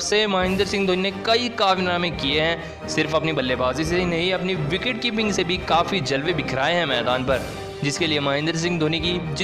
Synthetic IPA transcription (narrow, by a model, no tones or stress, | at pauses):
semaːɦɪ̃nd̪əɾsɪ̃ŋɡd̪ʱoːninekɐikaːʋinaːmẽkieɦɛ̃ | sɪɾfɐpnibɐlːebaːzis̬enɐɦĩɐpniʋɪkɪʈ̚kiːp̬ɪ̃ŋɡsebʱikaːfid͡ʒɐlʋebɪkʰɾaːeɦɛ̃mɛːd̪aːnpɐɾ | d͡ʒɪskeliemaːɦɪ̃nd̪əɾs̬ɪ̃ŋɡd̪ʱoːniki